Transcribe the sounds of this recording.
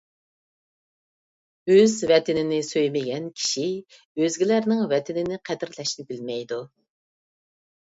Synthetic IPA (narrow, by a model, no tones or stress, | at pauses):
øzvɛt̪ɪnɪnɪsøjmɪɡʲɛnkʲʰi̥ʃi | øzɡʲilæɾnɪŋvɛt̪ʰɪnɪnɪqʰɛd̪ɪɾlɛʃnɪbɪlmɛjd̪u